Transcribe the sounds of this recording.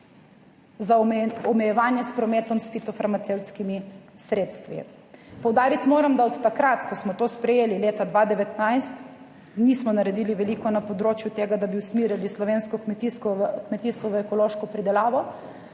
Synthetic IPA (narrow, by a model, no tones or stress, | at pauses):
zaɔmɛjɛʋaːnjɛspɾɔmeːt̪ɔmsfit̪ɔfaɾmat̪sewt̪skimi | sɾeːt̪st̪ʋḭ | pɔwd̪aːɾit̪imoːɾamd̪aɔt̪ːakɾat̪kɔsmɔt̪oːspɾɛjeːlileːt̪ad̪ʋad̪ɛʋɛt̪najst̪ | nismɔnaɾɛd̪iːliʋɛliːkɔnapɔd̪ɾoːt͡ʃjut̪eːɡad̪abiwsmiːɾilislɔʋeːnskɔkmɛt̪iskɔkmɛt̪iːst̪ʋɔʋəɛkɔloːʃkɔpɾid̪ɛlaːʋɔ